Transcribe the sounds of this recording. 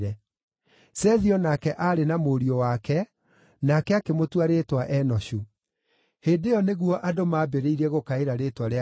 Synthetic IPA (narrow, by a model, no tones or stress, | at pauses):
ɾɛ | sɛðiɔnakɛʔaɾenamoɾiɔwakɛ | nakɛakemotwaɾetwaʔɛnɔɕu | heːdejɔneɣwɔʔadomaːbeɾeiɾɛɣokaeɾaɾeːtwaɾ